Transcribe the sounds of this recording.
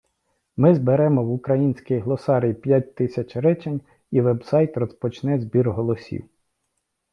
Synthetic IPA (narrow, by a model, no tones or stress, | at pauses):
mɪzbeɾɛmɔwʊkɾɐjinʲsʲkɪjɦlˠɔsɑɾʲijpʲjat̚ʲt̪ɪsʲɐt͡ʃɾɛt͡ʃenʲ | iʋɛbsɑjt̪rɔspɔt͡ʃnɛzʲbʲirɦɔlˠɔsʲḭw